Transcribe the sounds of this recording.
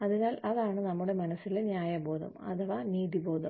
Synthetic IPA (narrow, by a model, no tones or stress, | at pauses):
ɐðinaːlɐðaːɳɨnɐmːuɽe̞mɐnɐsːilenjaːjɐbo̞ːðɐ̰mɐ̰t̪ʰɐʋaːniːðibo̞ːd̪ɐm